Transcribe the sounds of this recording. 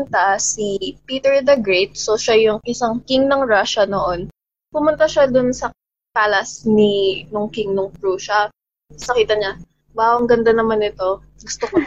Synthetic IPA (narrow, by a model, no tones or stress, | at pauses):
nt̪asipiːt̪ɛɹd̪ɐɡɹɛt̪̚soʃajʊŋʔɪsaŋkiŋnɐŋɹaʃɐnoʔo̞n | pʊmʊnt̪ɐʃad̪ʊnsɐ | paːlɐsninʊŋkɪŋnʊŋpɹuʃɐ | sɐkiːt̪ɐɲa | baːʔoŋɡɐnd̪anɐmanɪt̪o̞ | ɡʊst̪oko